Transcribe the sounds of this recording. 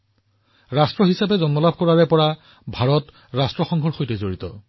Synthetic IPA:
ɹastɹɔɦisapɛzɔnmɔlab̚ʱkɔɹaɹɛpɔɹa | bʱaɹɔt | ɹastɹɔxɔŋɡʱɔɹxojtɛzoɹitɔ̰

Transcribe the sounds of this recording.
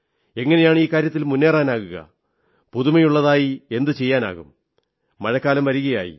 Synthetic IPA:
e̞ŋːɐne̞jaːɳiːkːaːɾjɐt̪̬ːilmunːe̞ːraːnaːɣuɣɐ̰ | puðumɐjuɭːɐðaːjie̞nd̪ɨt͡ɕe̞jːaːna̰ːɣumː | ɐɻɐkːaːlɐmʋɐɾuɣɐja̰ːjḭ

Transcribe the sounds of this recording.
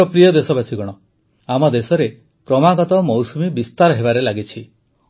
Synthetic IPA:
ɔpɾijɔd̪esɔbasʰiɡɔɽ̃ɔ | amɔd̪esɔɾe | kɾɔmaɡɔt̪ɔmɔwsumibist̪aɾɔɦebaɾelaɡit͡ʃʰi

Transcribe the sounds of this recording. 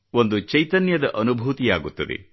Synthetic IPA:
o̞nd̪ut͡ʃɐjt̪ɐnjɐd̪ɐʔɐnubʱuːt̪ija̰ːɡut̪ːɐd̪ḛ

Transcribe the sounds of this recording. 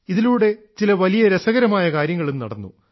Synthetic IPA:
iðiluːɽe̞t͡ɕilɐʋɐlijɐɾesɐɣɐɾɐmaːjɐkaːɾjɐŋːɐɭumnɐ̰ɽɐnːṵ

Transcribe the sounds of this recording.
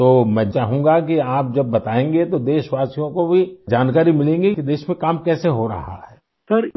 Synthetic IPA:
t̪oːmɛ̃ːt͡ʃaːɦũŋɡakiaːp̚d͡ʒɐbːɐt̪aːẽːŋɡet̪od̪eːʃʋaːsijõkobʱid͡ʒaːnkaːɾimɪlẽːŋɡikid̪eːʃmẽkaːmkɛːseɦoɾɐ̰ɦa̰ɦɛː | sɐɾ

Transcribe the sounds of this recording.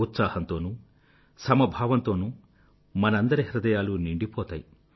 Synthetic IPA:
ut̪saːhɐnt̪o̞ːnuː | sɐmɐbʱaːʋɐnt̪o̞ːnuː | mɐnɐɐnd̪ɐɾeɦiɾɐd̪ɐjaːluniɳɖipɔːt̪a̰ːji

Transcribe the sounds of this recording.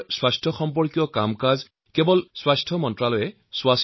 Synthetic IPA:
swastʰɔxɔmp̬ɔɹkijɔkamkaz | kɛbɔlswastʰɔmɔntɹalɔjɛ | swas

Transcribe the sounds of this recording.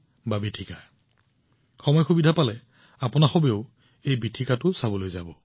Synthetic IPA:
babitʰika | xɔmɔjxubidʱapalɛ | apʊnaxobeʊ | ejbitʰikatʊsabɔlojzabɔ

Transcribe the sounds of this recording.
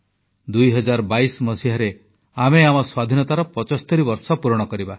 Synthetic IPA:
d̪ujɦɔd͡ʒaɾɔbajsmɔsiɦaɾe | ameamɔswad̪ʱinɔt̪aɾɔpɔt͡ʃɔst̪ɔɾibɔɾsɔpuɾɔɽ̃ɔkɔɾiba

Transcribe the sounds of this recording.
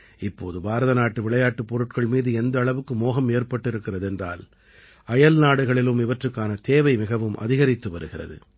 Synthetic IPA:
ɪpːoːðɯbaːɾɐðɐnaːʈːɯʋɪɭɐjaːʈːɯpːɔɾɯʈ̚kɐɭmiːðɯɛnd̪ɐːɭɐʋɯkːɯmoːɣɐmeːrpɐʈːɪɾɯkːɪrɐðɯɛndra̰ːl | ɐjɐlnaːɽɯɣɐɭɪlɯmɪʋɐʈrɯkːaːnɐt̪eːʋɐɪmɪɣɐʋɯmʔɐ̰ðɪɣɐɾɪt̪ːɯʋɐɾɯɣɪrɐ̰ðɯ̰

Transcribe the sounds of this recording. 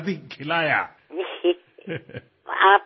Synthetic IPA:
d̪ikʰɪlaːja̰ | aːp

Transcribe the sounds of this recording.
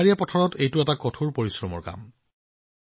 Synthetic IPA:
aɹijapɔtʰɔɹɔtejtʊɛtakɔtʰuɹpoɹisɹɔmɔ̰ɹka̰m

